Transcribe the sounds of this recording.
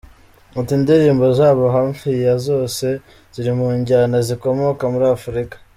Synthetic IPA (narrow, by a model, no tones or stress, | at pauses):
atindiɾiːmbo̞zaːβoɦaɱfijazo̞ːse̞ | z̥iɾimuɲɟanaziko̞mokamuɾiafuɾikḁ